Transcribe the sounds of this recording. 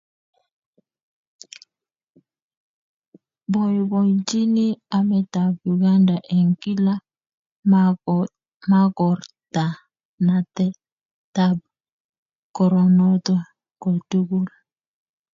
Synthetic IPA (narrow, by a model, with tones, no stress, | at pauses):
bɔ˨jbɔ˨jd͡ʒi˦ni˦a˨mɛ˦ta˨bju˨ɡa˦nda˨ʔe˨ŋki˦la˦ | ma˦kɔ˨ɾta˨ | na˨tɛ˦ | ta˨b̚ | kɔ˨ɾɔ˨nɔ˦t̪ɔ˦ | ko˨tu˦ɡu˦l